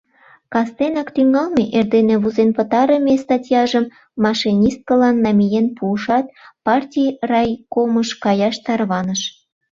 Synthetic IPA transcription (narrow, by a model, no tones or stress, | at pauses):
kɑst̪enɑkt̪yŋɑlmeʔerd̪enĕβuzenpə̆t̪ɑɾə̆mʲest̪ɑtʲijɑʒəmː | ɑʃinʲist̪̚kəlɑnːɑmʲijenpuːʃɑt̪̚pɑrtʲijrɑjkoməʃkɑjɑʃt̪ɑrβɑnəʃ